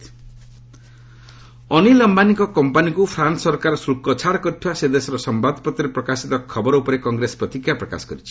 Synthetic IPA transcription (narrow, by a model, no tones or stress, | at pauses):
ɔnilɔmbanikɔkɔmpanikupʰɾansɔɾkaɾɔsulkɔt͡ʃʰaɽkɔʈʰased̪esɔɾɔsɔmbad̪ʱpɔt̪ːɔɾepɾɔkasit̪ɔkʰːɔbɔɾɔupɔɾekɔŋɡɾesɔ̥pɾɔt̪ikʰːjapɾɔka̰sɔ̥ɡɔ̰ɾit͡ʃʰi̥